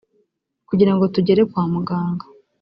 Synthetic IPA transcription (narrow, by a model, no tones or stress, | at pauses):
kuɟiɾaŋɡo̞tuɟe̞ɾe̞kwaːmuɡaːŋɡa